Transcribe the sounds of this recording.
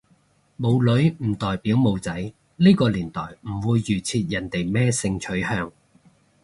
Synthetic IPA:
mo˨˧wlɵ˨˥ɥm̩˨˩t̪ɔː˨˩jpiː˨˥wmo˨˧wt͡sɐ˨˥j | liː˥kɔː˧liː˨˩nt̪ɔː˨˩jm̩˨˩wuː˨˧jːyː˨˩t͡sʰiː˧t̪̚jɐ˨˩nt̪e˨jmɛː˥sɪ˧ŋt͡ʃʰɵ˨˥ɥhœː˧ŋ

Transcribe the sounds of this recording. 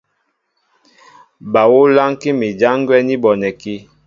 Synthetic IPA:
ba˨wo˦la˦ŋki˦mi˨d͡ʒa˦ŋ˦ɡwɛ˦ni˦bɔ˨nɛ˨ki˦

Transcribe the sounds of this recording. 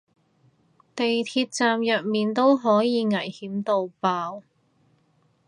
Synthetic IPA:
t̪e˨jt̪ʰiː˧t̚t͡saː˨mjɐ˨t̚miː˨nt̪o˥wɦɔː˨˥jiː˨˧ŋɐ˨˩jhiː˨˥mt̪o˨˧wpaː˧w

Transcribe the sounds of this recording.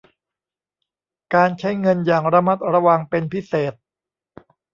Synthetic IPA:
kaː˧nt͡ɕʰa˦˥jŋɤ˧njaː˨˩ŋɾa˧ma˦˥t̪̚ɾa˧wa˧ŋpe˧npʰi˦˥seː˨˩t̪̚

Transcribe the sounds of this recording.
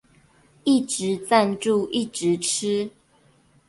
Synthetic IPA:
i˥˨˩ʈ͡ʂɻ̩˨˦t͡sa˥˧nʈ͡ʂu˥˧ʔi˥˨ʈ͡ʂɻ̩˨˦ʈ͡ʂ̩ʰ˥

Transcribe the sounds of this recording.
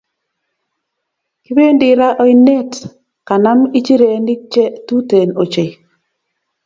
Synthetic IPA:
ki˦we˦ndi˨ɾa˦ʔɔ˦ɪ˦ne˦t | ka˨na˦mi˦t͡ʃi˦ɾe˨ndi˦k̚t͡ʃe˦tu˦te˨no˨t͡ʃe˨

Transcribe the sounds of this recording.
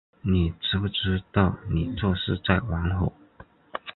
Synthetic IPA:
ni˨˩ʈ͡ʂɻ̩˧˥pu˥˩ʈ͡ʂɻ̩˥t̪ɑ˥˩ʊni˨˩t͡swɔ˥˧ʂɻ̩˥˧t͡sa˥˩ɪwɑ˧˥ŋxo˨˩˦ʊ

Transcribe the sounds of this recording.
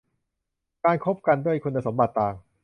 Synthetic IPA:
kaː˧nkʰo˦˥p̚ka˧ndu˥˩əjkʰu˧nːa˧so˩˦mba˨˩t̪ːaː˨˩ŋ

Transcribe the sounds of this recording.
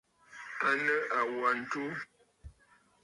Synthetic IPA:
a˦nə˦ʔa˨wa˨n̩˨tu˦

